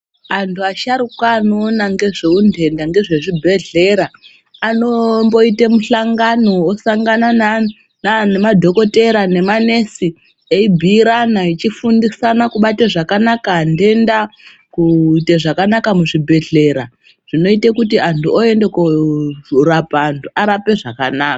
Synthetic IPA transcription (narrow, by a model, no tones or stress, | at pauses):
antʰuaʃaɾukwaːnoːnaŋɡe̞ʐeunde̞ndaŋɡe̞ʐe̞ʐibʱe̞ɮe̞ɾaː | nombo̞itemuɬaŋɡano̞ːsaŋɡanana | nanemadʱo̞ko̞te̞ɾane̞mane̞si | eibʱiːɾanait͡ʃifundisanakuɓateʐakanakaːnde̞nda | kuiteʐakanakamuʐibʱe̞ɮe̞ɾa | ʐ̥ino̞itekutiantuoe̞ndeku | rapaːntʰuʔaɾape̞ʐakanaːka